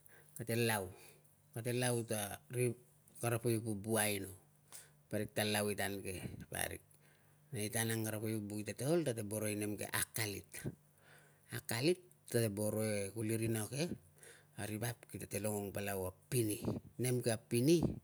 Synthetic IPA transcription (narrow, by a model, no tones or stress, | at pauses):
kate̞law | kate̞lawtaɾi | kaɾapojpubuajno | paɾik̚talawitanke̞pa̰ɾḭk̚ | naitanaŋkaɾapojubuitateoltatebo̞ɾo̞jne̞mkḛʔakalḭt | akalit | tːatebo̞ɾo̞ekuliɾinoke̞ | aɾipapkitate̞loŋoŋpalawapːinine̞mkeapini